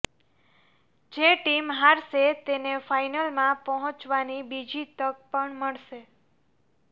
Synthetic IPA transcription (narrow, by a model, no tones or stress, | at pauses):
d͡ʒeʈimɦaɾʃet̪enefajnəlmãpəɦɔ̃t͡ʃʋanibid͡ʒit̪ək̚pəɳməɭʃe